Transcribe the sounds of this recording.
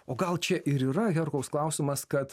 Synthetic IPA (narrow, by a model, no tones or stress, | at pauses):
oːɡɐlˠt͡ʃʲɛʔɪɾiːɾɐɣʲɛɾkɐʊsklˠɑˑʊsʲɪmɐskɐt̪